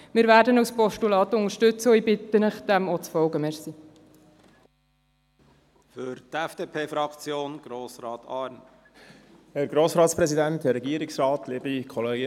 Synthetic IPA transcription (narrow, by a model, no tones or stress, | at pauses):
mɪːɾvæːɾdənawspɔʃtulɑːt̪ʊŋəɾʃtʏt͡sɔibɪt̪ːənəχd̥̪ɛmɔt͡sfɔwɡəmɛɾsi | fʏɾt̪ɛfd̥eːpʰeːfɾɑkt͡sjoːnɡ̥ɾoːsɾɑːt̪ʰɑːɾn | hɛɾɡɾoːsɾɑːt̪spɾɛzidænt̪ɛɾːɛɡiːəɾiksrɑːt̪ʰliːbikʰɔleːɡə